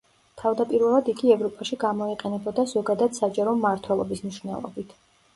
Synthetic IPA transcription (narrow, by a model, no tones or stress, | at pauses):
t̪ʰavd̪apʼiɾvɛlˠad̪iɡiɛvɾɔpʼaʃiɡamɔiqʼɛnɛbɔd̪azɔɡad̪ad̪̥sad͡ʒaɾɔmaɾt̪ʰwɛlˠɔbismniʃvnɛ̰lˠɔ̰bit̪ʰ